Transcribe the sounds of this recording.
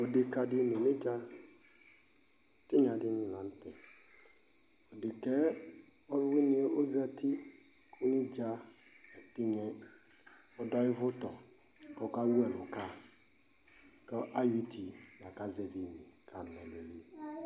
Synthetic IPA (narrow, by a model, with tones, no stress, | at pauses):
o˨dɪ˨ka˨dɪ˦ni˨nɪ˦d͡ʒa˦ | tɪ˦ɲa˨dɪ˦nɪ̃˨nã˨n˦tɛ˨ | o˨dɪ˨kɛ˦ | ɔ˦ɾwɪ˦nɪ˦o˦za˦ti˦ | kʰʊ˦nɪ˦d͡ʒa˦ | ɛ˨tɪ˦ɲɛ˦ | ɔ˨dɔ˦jɪ˦vʊ˦tɔ˨ | kɔ˦˨ka˦wu˦ɛ˨lʊ˨ka˦˨ | kɔ˦ʔa˦ji˦tʰi˨ | na˨ka˦zɛ˨di˨ɲi˨ | kʰa˨ɛ˨le˨ɾi˦˨